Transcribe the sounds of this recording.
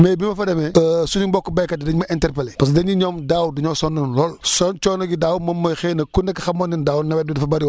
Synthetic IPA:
mɛːbimɐfɐdɛmɛəsuniɲbɔkːɔbɐjkɐtːdɛɲmɐʔɛntɛrpɛlɛpɐsdɛɲiɲɔmdaːwduɲɔːsɔnːɐnlɔlsɔnt͡ʃɔːnɐɡidaːwumɐmːɐxɛːnɐkːunɛkːɐxɐmɔːndindaːwnɐwɛdudɐfɐbɐɾiwɔ

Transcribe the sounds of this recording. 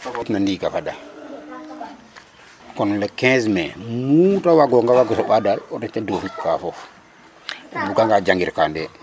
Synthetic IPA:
itnandikafada | kɔnlɛkɛ̃smɛ̰mutawaɡɔŋɡawaɡɔsɔɓadalɔdɛt͡ʃadofikːafɔf | buɡaŋɡad͡ʒaŋɡiɾkandɛ

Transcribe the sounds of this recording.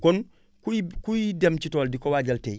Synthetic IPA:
kɔn | kukujidemcitɔːldikɔwaːɟɐltḛj

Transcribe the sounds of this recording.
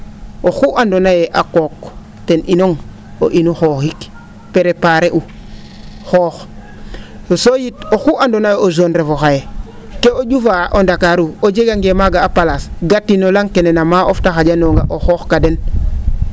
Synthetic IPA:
oxuʔandonajeʔakok | tenʔinoŋ | o̰ʔinuxoxik | peɾepaɾeʔu | xoːx | osojitoxuʔandonajeozonɾefoxaje | keoɟufaʔondakaɾuod͡ʒeɡaŋɡemaɡaːpalasɡatːinolaŋkenenamaʔoftaxaɟanoŋɡa̰ʔoxoːxkaden

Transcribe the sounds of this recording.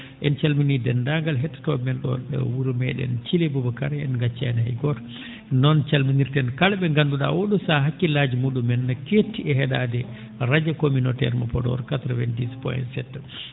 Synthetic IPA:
ʔɛnt͡ʃalminidɛndaŋɡalɦɛtːḁtɔmɛnɗɔ̰ɛ̰wuɾumɛ̰ɗɛ̰nt͡ʃilebubɔkaɾɛnɡat͡ʃːanhajɡɔɾ | nɔnt͡ʃalminiɾtɛnkalbɛŋɡanduɗa̰woɗusaɦakːilaːd͡ʒimuːɗumɛnːaketːiɛɦɛɗadɛ | ɾad͡ʒakominotɛ̰ɾmapɔdɔ̰ɾkatɾɔvɛndispɔ̰jɛ̰nsɛtː

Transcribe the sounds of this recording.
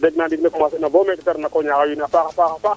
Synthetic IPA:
dɛɡnadiɡnekumas̬inabomekitaɾnakoɲaɣajunafakafakafa

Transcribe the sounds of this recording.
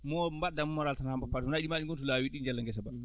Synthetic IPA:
mɔmbadamɔmɔɾaltanhambapːatmnaɗimaɗiŋɡɔnt̬ɔlawiɗind͡ʒalːaŋɡɛsaba

